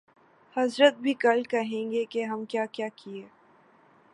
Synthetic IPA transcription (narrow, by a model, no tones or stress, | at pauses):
hɐzɾət̪̚bʱikɐlkɐɦẽːŋɡekeɦɐmkjaːkjaːkʰieː